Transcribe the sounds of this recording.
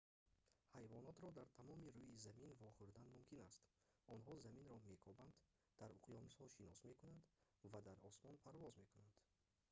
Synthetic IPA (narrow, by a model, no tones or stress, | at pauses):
hajvɔnɔt̪ɾɔd̪aɾt̪ʰamɔmiɾuizaminvɔχuɾd̪anmumkʰinast̪ | ɔnɦɔzaminɾɔme̞kʰɔband̪ | d̪̥aɾuqjɔmushɔʃinɔsme̞kunand̪ | vad̪aɾɔsmɔnpʰaɾvɔzme̞kunand̪̥